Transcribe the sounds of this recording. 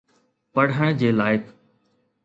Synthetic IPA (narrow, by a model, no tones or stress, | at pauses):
pɐɽ̤əɽ̃d͡ʑeːlaːɪkʰ